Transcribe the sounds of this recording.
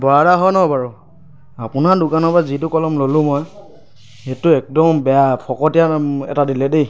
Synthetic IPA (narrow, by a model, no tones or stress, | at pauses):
bɔadaɦɔjnɔbaɹu | apʊnadʊkanɔpazitʊkɔlɔmlolʊ̃mɔj | xetʊɛk̚dɔmbɛapʰɔkɔtijaɛ̰tadilɛdej